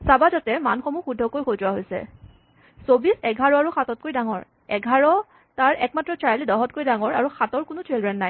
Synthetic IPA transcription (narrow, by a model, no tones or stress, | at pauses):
sabazɔtɛmanxɔmuxudʱːɔkojxozɔwaɦojsɛ̰ | sobisɛɡʱaɹɔaɹuxatɔt̚kojdaŋɔ̰ɹ | ɛɡʱaɹɔ | taɹɛk̚matɹɔtaɹlidɔɦɔtkojdaŋɔɹaɹuxatɔɹkʊnʊtʰɹelɹɛnːaj